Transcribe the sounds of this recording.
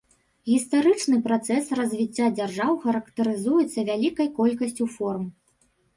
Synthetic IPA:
ɣʲist̪aɾɨt͡ʂnɨpɾat̪sɛsrɐzʲvʲit͡sʲːad͡zʲarʐawxɐɾɐkt̪ɐɾɨzujɛt̪sːɐvʲalʲikɐjkɔlʲkɐsʲt͡sʲufɔrm

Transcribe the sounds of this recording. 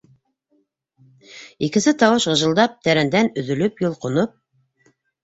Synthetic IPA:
ikɘ̆nsɘt̪ɑwɤʃʁɤ̆ʒɤ̆lˠd̪ɑp̚t̪æɾænd̪ænɵ̆ðɵ̆lɵpjŏlˠqŏnop̚

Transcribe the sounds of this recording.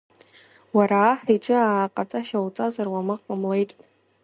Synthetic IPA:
waɾaːħiʈ͡ʂʼɨaːqʼat͡sʼaʃawt͡sʼazarwamɨqʼamle̞jtʼ

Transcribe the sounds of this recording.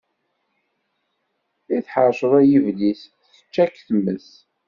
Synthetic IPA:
iθħəɾʃəðˤæjivlis | θə̥t͡ʃːækːθəmːəs

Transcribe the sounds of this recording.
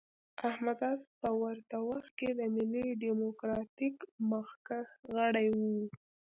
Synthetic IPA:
ahmad̪ɑspəwaɾt̪awaxt̪̚ked̪əmɪliɖimokɾɑt̪ikməxkaxɣəɽajwu

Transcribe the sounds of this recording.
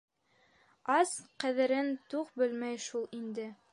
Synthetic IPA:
ɑsqæðɘ̆ɾɘnt̪uqbɘlmæjʃulˠind̪ɘ

